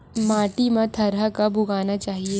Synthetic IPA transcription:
maːʈimãt̪ʰɐɾɦəkabʱʊɡaːnat͡ʃaːɦie

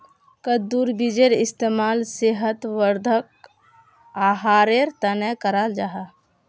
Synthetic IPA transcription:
kəd̪uːɾbid͡ʒeɾɪst̪eːmaːlseɦət̪ʋəɾd̪ʱək̚ | aːɦaːɾeɾt̪ənɛkəɾaːld͡ʒaɦaː

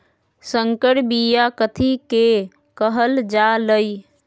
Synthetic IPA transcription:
sə̃ŋkəɽbijakət̪ʰike | kəɦəld͡ʒaləi

